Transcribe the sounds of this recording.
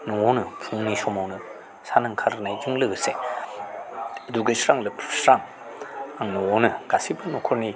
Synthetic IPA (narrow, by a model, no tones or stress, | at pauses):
nɔɔnɯpʰɯŋnisɔmawnɯ | sanɯŋkʰaɾnajd͡ʒɯŋlɯɡɯse | ɐduɡɯsɾaŋlɯpʰsɾaŋ | aŋnɔɔnɯɡ̥asibɯnɔkʰɔɾni